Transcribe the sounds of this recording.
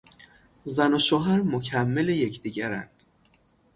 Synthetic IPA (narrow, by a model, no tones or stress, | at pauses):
zænoʃoɦæɾmocʰæmːeleje̞cʰd̪iːɟæɾæ̰nd̪̥